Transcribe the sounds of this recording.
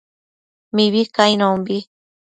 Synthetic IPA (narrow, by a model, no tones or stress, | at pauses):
miβikajnõmbi